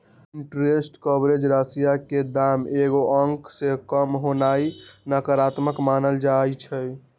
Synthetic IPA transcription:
iɳʈɾesʈkɔbɾed͡ʒɾasijaked̪ameɡoʔəŋksekəmɦonainəkəɾat̪məkmanəld͡ʒajt͡ʃʰə

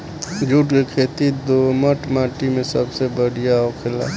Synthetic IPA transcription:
d͡ʒʱuːʈkekʰeːt̪id̪oməʈmaːʈimẽsəbsebəɽ̤ijaoːkʰela̰ː

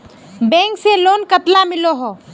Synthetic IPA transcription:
bɛ̃ːŋkseloːnkət̪lamɪloɦoː

